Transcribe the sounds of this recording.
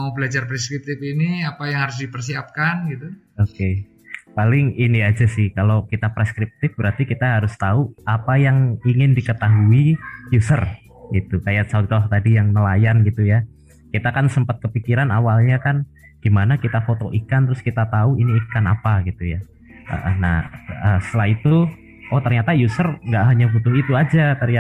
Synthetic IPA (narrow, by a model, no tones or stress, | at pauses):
bəlad͡ʒarpɾeskɾip̚t̪ɪfiniapajaŋhaɾʊs̬dipərsiap̚kanɡit̪u | oke | palɪŋiniad͡ʒasɪhkalokit̪apɾeskɾip̚t̪ɪfbəɾart̪ikit̪aɦaɾʊst̪auapajaŋiŋɪndikət̪aɦuijusər | ɡit̪ukajat̪sat̪ht̪adijaŋnəlajanɡit̪uja | kit̪akansəmpat̪̚kəpikiɾanawalɲakan | ɡ̥imanakit̪afot̪oʔikant̪əɾʊskit̪at̪auiniːkana̰paɡit̪uja | ʔə̰ʔəna̰həsə̥t̪əlait̪u | ɔt̪ərɲat̪ajusərŋɡaʔɦaɲabut̪ʊhit̪uad͡ʒat̪ərɲa